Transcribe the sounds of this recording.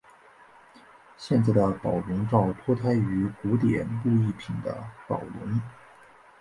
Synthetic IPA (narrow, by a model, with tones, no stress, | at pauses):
ɕjɛ˥˧nt͡sa˥˩ɪd̪ə˩pɑ˨˩ʊlə˧˥nʈ͡ʂɑ˥˩ʊt̪ʰwɔ˥t̪ʰa˥ɪy˧˥ku˧˥t̪jɛ̰˨˩npu˥˧i˥˩pʰi˨˩nd̪ə̰˦pɑ̰˨˩ʊlə̰˧˥n